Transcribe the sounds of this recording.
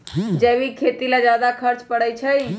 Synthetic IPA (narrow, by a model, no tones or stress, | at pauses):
d͡ʒəbikʰet̪ilad͡ʒad̪akʰəɾt͡ʃpəɽəjt͡ʃʰəj